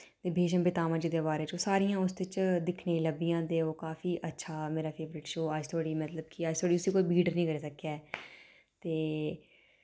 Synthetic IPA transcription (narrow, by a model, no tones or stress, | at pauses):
t̪eːbʱeːʃəmbɪt̪aːmə̃d͡ʒiːd̪eːbaːɾeːt͡ʃoːsaːɾijãːʊsd̪ɪt͡ʃd̪ɪkʰnẽːləbijãːt̪eːoːkaːfiːʔətːʃʰaːmeːɾaːpʰeːʋəɾɪʈʃoːəd͡ʒt̪ʰoːɽiːmət̪ləbkiəd͡ʒt̪ʰoːɽiːʊsiːkoːiːbiːɖəɾnĩːkəɾeːsəkːaːɛː | t̪eː